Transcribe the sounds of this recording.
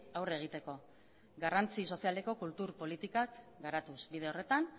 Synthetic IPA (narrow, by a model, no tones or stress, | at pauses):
awre̞ɣ̞it̪e̞ko̞ | ɡarant͡siso̞siale̞ko̞kult̪uɾpo̞lit̪ikakɡaɾat̪usbið̞e̞o̞re̞t̪an